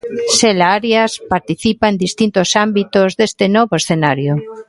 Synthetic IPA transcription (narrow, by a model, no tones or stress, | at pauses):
selaaɾjaspaɾt̪iθipaend̪ist̪int̪osambit̪ozðest̪enɔβoesθenaɾjo